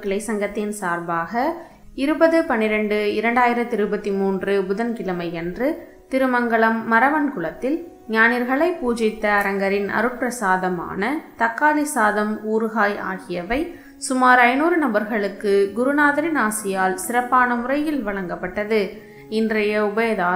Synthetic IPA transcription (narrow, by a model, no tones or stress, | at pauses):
kɪɭɐɪsɐŋɡɐt̪ːɪnsaːɾbaːɣɐ | ɪɾɯbɐðɯpɐnːɪɾɐɳɖɯɪɾɐɳɖaːjɪɾɐt̪ːɪɾɯbɐt̪ːimuːndrɯbʊðɐnkɪlɐmɐɪɛndrɯ | t̪ɪɾɯmɐŋɡɐɭɐmːɐɾɐʋɐnkʊɭɐt̪ːɪl | ɲaːnɪɾɣɐɭɐɪpːuːd͡ʒɪt̪ːɐːɾɐŋɡɐɾɪnɐ̰ɾɯʈ̚pɾɐsaːðɐma̰ːnɐt̪ɐkːaːlɪsaːðɐmuːɾɯɣaːja̰ːɣɪjɐʋɐɪ | sʊmaːɾɐɪnuːɾɯnɐmbɐɾɣɐɭɯkːɯɡʊɾɯnaːðɐɾɪnaːsɪjaːlsɪrɐpːaːnɐmʊrɐjɪlʋɐɭɐŋɡɐpːɐʈːɐðɯ | ɪndrɐjɐʊbɐjɐðaː